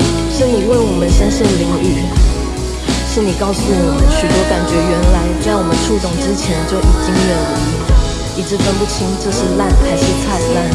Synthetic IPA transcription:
ʂɻ̩˥˩ŋni˨˩wə˥˩nwɔ˨˩mə˦nɕə˥nɕ̩˥˩ŋli˧˥ŋy˥˩˥ | ʂɻ̩˥˩ŋni˨˩kɑ˥˧ʊsu˥˩wɔɔ˨˩mə˦nɕy˨˩t̪wɔ˥ka˨˩nt͡ɕɥɛ˧˥ɥɛ˧˥nla˧˥ɪt͡sa˥˩ɪwɔ˨˩mə˦nʈ͡ʂʰu˥˧t͡sʊ˨˩ŋʈ͡ʂɻ̩˥t͡ɕʰjɛ˧˥nt͡ɕjo˥˩ʊʔi˨˩t͡ɕi˥ŋjɛ˧˩lə˧˥˩ | i˨˩ʈ͡ʂɻ̩˧˥t̪ə˧˥npu˥˩t̪ʰi˥ŋʈ͡ʂɤ˥˧ʂɻ̩˥˧la˥˩nxa˧˥ɪʂɻ̩˥˧t͡sʰa˥˧ɪla˥˩n

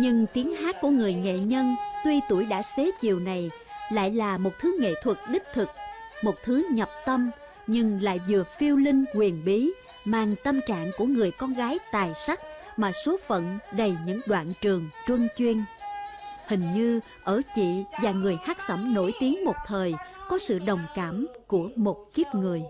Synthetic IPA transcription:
ɲɨ˧ŋt̪i˨˦əŋhaː˦˥k̚ku˧˩əŋɨ˨˩əjŋḛ˧˨ɲə˧nt̪wi˧t̪u˧˩əjɗa̰ː˧˥se˨˦t͡ɕi˨˩əwna˨˩j | la̰ː˧˨jlaː˨˩mo˨˩t̚t̪ʰɨ˨˦ŋḛ˧˨t̪ʰwə˨˩k̚ɗï˦˥k̟̚t̪ʰɨ˨˩k̚mo˨˩t̚t̪ʰɨ˨˦ɲə˨˩p̚t̪ə˧m | ɲɨ˧ŋla̰ː˧˨jzɨ˨˩əfi˧əwlï˧ŋ̟kwi˨˩ənɓi˨˦ | maː˨˩ŋt̪ə˧mt͡ɕa̰ː˧˨ŋku˧˩əŋɨ˨˩əjkɔ˧nɣaː˨˦jt̪aː˨˩jsa˦˥k̚ | maː˨˩so˨˦fə̰˧˨nɗə˨˩jɲɨ̰˧˥ŋɗwa̰ː˧˨nt͡ɕɨ˨˩əŋt͡ɕwə˧ŋt͡ɕwi˧ən | hï˨˩ŋ̟ɲɨ˧ | ʔəː˧˩t͡ɕḭ˧˨vaː˨˩ŋɨ˨˩əjhaː˦˥t̚sə̰˧˩mno˧˩jt̪i˨˦əŋmo˨˩t̚t̪ʰəː˨˩jkɔ˨˦sɨ̰˧˨ɗə˨˩wŋ͡mkaː˧˩mku˧˩əmo˨˩t̚ki˦˥əp̚ŋɨ˨˩əj

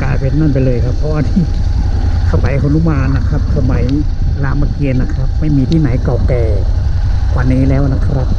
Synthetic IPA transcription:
kaː˧˩jpe˨˧˦n̚maː˧˥˨npa˨jlɤː˧˩jkʰa˦˥pʰːɔ˦˧ʔaː˧niː˧˥˩ | kʰa˧ma˨˩˦jkʰo˧˦nu˧˥˨maː˧nːa˦˧˥kʰa˦˥p̚sa˧ma˨˦j | laː˧˥˩ma˧ki˧ənna˦˧˥kʰa˦˥p̚ma˥˩jmiː˧t̪ʰiː˧˩na˨˦jka˨˩wkɛː˨˩ | kwaː˧˩nːiː˦˥˨lɛː˦˥wʔna˧˥kʰa˧˥a˦˧˩t̪̚

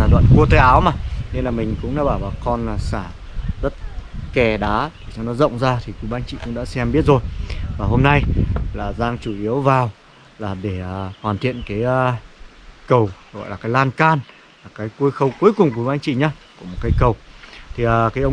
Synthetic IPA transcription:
a˨˩ɗwa̰˧˨nku˧ət̪əː˧jʔaː˨˦wmaː˨˩ne˧nlaː˨˩mï˨˩ŋ̟kʊ̰˧˥ŋ͡mɗa̰ː˧˥ɓaː˧˩wvaː˨˩wkɔ˧naː˨˩saː˧˩ | zə˦˥t̚kɛ˨˩ɗaː˨˦t̪ʰi˨˩sa˧wnɔ˨˦zə̰˧˨wŋ͡mzaː˧t̪ʰi˨˩kwu˨˦ɓaː˨˦nt͡ɕḭ˧˨kʊ̰˧˥ŋ͡mɗa̰ː˧˥sɛ˧mɓi˦˥ət̚zo˨˩jvaː˨˩ɦo˧mna˧jlaː˨˩zaː˧ŋt͡ɕu˧˩ʔi˨˦əwvaː˨˩w | laː˨˩ɗe˧˩˨hwaː˨˩nt̪ʰḭ˧˨ənkaː˨˦jː | kə˨˩wɣɔ̰˧˨laː˨˩kːaː˨˦jlaː˧nkaː˧n | laː˨˩kaː˨˦jku˧jxə˧wku˨˦əjkʊ˨˩ŋ͡mkwi˧˦jɓaː˨˦nt͡ɕḭ˧˨ɲaː˨˦ku˧˩əmo˨˩t̚kaː˨˦jkə˨˩wt̪ʰi˨˩ʔəː˨˩kaː˨˦jʔə˧w

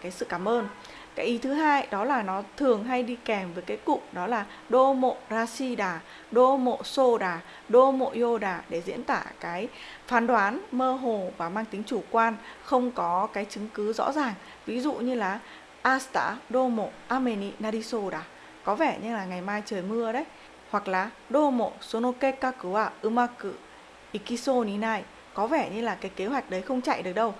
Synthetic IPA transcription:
kaː˨˦jsɨ̰˧˨kaː˧˩mʔəː˧n | kaː˨˦jʔi˨˦t̪ʰɨ˨˦ɦaː˧jɗɔ˨˦laː˨˩nɔ˨˦t̪ʰɨ˨˩əŋɦa˧jɗi˧kɛ˨˩mvəː˨˦jkaː˨˦jkʊ̰˧˨k͡p̚ɗɔ˨˦laː˨˩ | ɗo˧mo̰˧˨zaː˧si˧ɗaː˨˩ | ɗo˧mo̰˧˨so˧ɗaː˨˩ | ɗo˧mo̰˧˨ʔi˧o˧ɗaː˨˩ɗe˧˩zḭ˧˥ənt̪a̰ː˧˩kaː˨˦jfaː˨˦nɗwaː˨˦nməː˧ɦo˨˩vaː˨˩maː˧ŋt̪ï˨˦ŋ̟t͡ɕu˧˩kwaː˧nxə˧wŋ͡mkɔ˨˦kaː˨˦jt͡ɕɨ˨˦ŋkɨ˨˦zɔ̰˧˥zaː˨˩ŋ | vi˨˦zṵ˧˨ɲɨ˧laː˨˩ | ʔaː˧st̪a̰ː˧˥ɗo˧mo̰˧˨ʔaː˧me˧ni˧naː˧ɗi˧so˧ɗaː˨˩ | kɔ˨˦vɛ˧˩ɲɨ˧ŋlaː˨˩ŋa˨˩jmaː˧jt͡ɕəː˨˩jmɨ˧əɗə˨˦j | hwa˨˩k̚laː˨˩ | ɗo˧mo̰˧˨so˨˦no˧ke˧kaː˧kɨ˧˩waː˧˩ʔɨ˧maː˧kɨ˧˩ | ʔi˧˩ki˧so˧ni˧˦naː˧˩j | kɔ˨˦vɛ˧˩ɲɨ˧laː˨˩kaː˨˦jke˨˦ɦwa˨˩jk̟̚ɗə˨˦jxə˧wŋ͡mt͡ɕa̰˧˨jɗɨ˨˩ək̚ɗə˧w

